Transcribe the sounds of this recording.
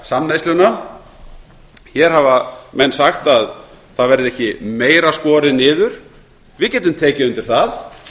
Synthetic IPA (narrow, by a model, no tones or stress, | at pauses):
samnajslʏna | çɛɾ̥havamɛnːsaxt̪að | θaðvɛɾðɪɛhcɪmeːjɾaskɔːɾɪnɪːðʏɾ̥ | vɪðcɛːt̪ʏmt̪ʰɛːcɪʏnt̪ɪɾ̥θað